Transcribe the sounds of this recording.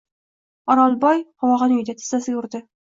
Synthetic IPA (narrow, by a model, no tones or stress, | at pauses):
ɒɾɒlˠbɒjqɒwɒʁɑnʏjd̪at̪ʰɪ̥sasɪɡʲaʊɾd̪ɪ